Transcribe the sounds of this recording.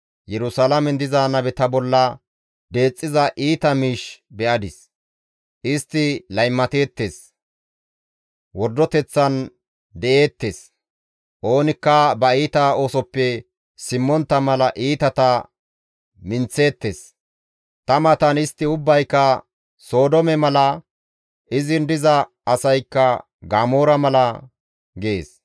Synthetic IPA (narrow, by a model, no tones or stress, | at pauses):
jɛɾʊsɐlɐmɛnd̪ɪzaːnɐbɛt̪ɐbɔlːɐ | d̪e̞ːt͡sʼːɪzɐʔiːt̪ɐmiːʃbɛʔɐd̪ɪs | ʔɪst̪ːɪlɐjmːɐt̪e̞ːt̪ːe̞ːs | wɔɾd̪ːɔt̪ɛt͡sːɐn | d̪ɛʔe̞ːt̪ːe̞ːs | ʔo̞ːnɪkːɐbɐiːt̪ɐo̞ːsɔpːɛ | sɪmːɔnt̪ːɐmɐlɐʔiːt̪ɐt̪ɐ | mɪnt͡sːe̞ːt̪ːeːs | t̪ɐmɐt̪ɐnɪst̪ːɪʊbːɐjkːɐ | so̞ːd̪ɔmɛmɐlɐ | ʔɪzɪnd̪ɪzɐː | sɐjkːɐ | ɡaːmoːɾɐmɐlɐ | ɡeḛːs